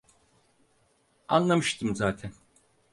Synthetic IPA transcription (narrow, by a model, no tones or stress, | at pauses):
anlˠamɯʃt̪ʰɯmzaːt̪ʰɛn